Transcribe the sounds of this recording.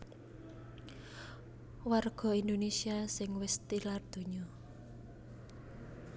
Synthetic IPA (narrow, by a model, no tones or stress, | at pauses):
warɡ̥ɔ̤ind̪onesiasɪŋwɪst̪ilard̪̥ṳɲɔ